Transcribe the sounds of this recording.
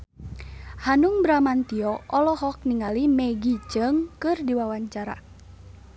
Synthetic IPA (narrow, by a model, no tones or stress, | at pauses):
hanuŋbɾamant̪iɔɔlɔɦɔk̚niŋalimɛɡit͡ʃəŋkɨrdiwawaɲt͡ʃaɾa̰